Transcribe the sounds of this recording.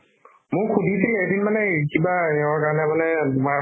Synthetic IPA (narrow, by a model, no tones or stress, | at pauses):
mʊkʰudʱisiledinmanɛkibaɛwaɹkaɹnɛmanɛdma